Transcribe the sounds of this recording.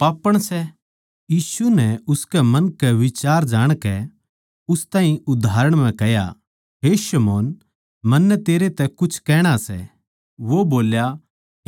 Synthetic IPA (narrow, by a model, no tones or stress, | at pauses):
paːpəɽ̃sɛ | jiːsunɛʊskɛmɐ̃nkɛʋɪt͡ʃaːɾd͡ʒaːɽ̃kɛ | ʊst̪ãːĩʊd̪ʱaːɾəɽ̃mɛ̃kɛja̰ | ɦeʃɐmoːn | mɐnːɛt̪eːɾet̪ɛkʊt͡ʃʰkɛːɽ̃asɛ̰ | ʋoboːlja